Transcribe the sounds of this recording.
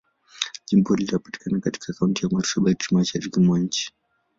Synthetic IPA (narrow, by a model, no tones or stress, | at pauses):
ʄimpɔlitapati̥kanakati̥kaːkauntijamatʃabaitimaʃaɾikimwaɲ̩t͡ʃi̥